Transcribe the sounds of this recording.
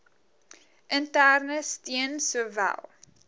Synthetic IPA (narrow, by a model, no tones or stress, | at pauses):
ʔəntærnəstiənsuəvæ̰lˠ